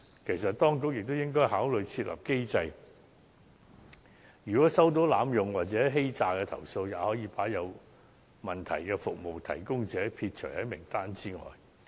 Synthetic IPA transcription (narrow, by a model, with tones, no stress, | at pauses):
kʰe˨˩jsɐ˨t̚t̪ɔː˥ŋkʊ˨˥k̚jɪ˨k̚t̪o˥wjɪ˥ŋkɔː˥jɦaː˨˥wlɵ˨ɥt͡sʰiː˧t̚lɐ̰˨p̚ke˥jt͡sɐ˧j | jyː˨˩kɔː˨˥sɐ˥wt̪̬o˨˥wlaː˨˧˥mjʊ˨ŋwaː˨t̚t͡sɛː˨˥ɦe˥jt͡saː˨˧kɛ˧t̪ʰɐ̰˨˩wso˧wjaː˨˧hɔː˨˥jiː˨˧paː˨˥jɐ˨˧w | mɐ˨nt̪ʰɐ̰˨˩jkɛː˧fʊ˨k̚mo˨˩wt̪ʰɐ̰˨˩jkʊ˥ŋt͡sɛː˨˥pʰiː˧t̚t͡ʃʰɵ˨˩jhɐ˨˥jmɪ˨˩ŋt̪aː˥nt͡siː˥ŋɔ̰ː˨j